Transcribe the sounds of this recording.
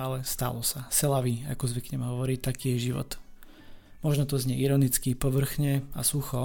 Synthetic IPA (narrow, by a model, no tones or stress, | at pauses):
alɛst̪a̰lɔsasɛlaʋia̰kɔzʋikɲɛmɛɦɔʋɔɾiːt̪akiːjɛʒiʋɔ̰t̪ | mɔʒnɔt̪ɔzɲɛʔiɾɔnit͡skipɔʋr̩xɲɛa̰suxɔ